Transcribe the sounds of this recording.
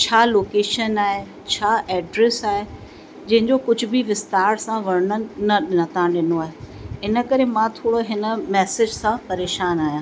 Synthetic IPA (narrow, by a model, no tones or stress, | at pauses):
t͡ɕʰaːloːkeːʃənaːɦe | t͡ɕʰaːʔɛːɖɾesaːɦe | d͡ʑɐ̃ɦɪ̃ɲd͡ʑokʊd͡ʑʱʊ̆bɪʋɪst̪aːɾsãʋɐɾənə̆nɐɗɪnət̪ʰãɗɪnoaːɦeɦɪnə̆kɐɾemãt̪ʰoːɽoɦɪnə̆mɛːsɪd͡ʑsãpɐɾeːʃaːnaːɦjãː